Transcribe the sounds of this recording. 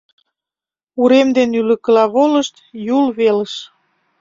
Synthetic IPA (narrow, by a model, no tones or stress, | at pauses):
uɾemd̪enylə̆kə̆lɑβolə̆ʃt̪julβeləʃ